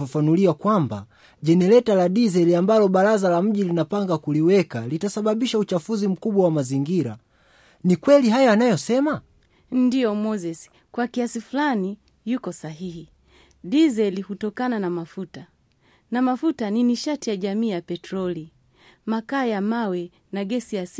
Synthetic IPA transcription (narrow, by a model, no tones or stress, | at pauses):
afanuliwakwamba̰ | ʄɛnɛlɛtalaɗizɛliambalɔɓaɾazalam̩ʄilinapaŋɡakuliwɛkalitasaɓaɓiʃaut͡ʃafuzim̩kuɓwawamaziŋɡiɾa | nikwɛliɦajaːnajɔsɛma | ndijɔmɔzɛsi̥ | kwakiasifulani | jukɔsaɦihi | ɗizɛlihutɔkananamafuta | namafutaniniʃatijaʄamiːjapɛtɾɔli | makaːjamawɛ | naɡɛsijas